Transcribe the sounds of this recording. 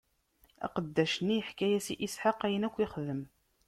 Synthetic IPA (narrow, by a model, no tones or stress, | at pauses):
æ̰qəd̪ːæʃənːiəħkæjæsiʔisħaqæjənækʷːiχðəm